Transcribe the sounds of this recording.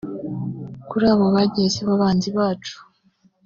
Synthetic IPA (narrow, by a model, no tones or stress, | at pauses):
kuɾaːβo̞βaɟezeβaβaːnziβaːt͡ʃu̥